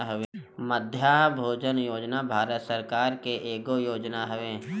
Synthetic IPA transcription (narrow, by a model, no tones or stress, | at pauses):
ɦəʋeməd̪ʱjaːɦbʱoːd͡ʒənjoːd͡ʒnabʱaːɾət̪səɾkaːɾkeʔeːɡojoːd͡ʒnaɦəʋeː